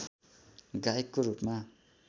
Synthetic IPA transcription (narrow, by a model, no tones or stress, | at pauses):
ɡajekːoɾupma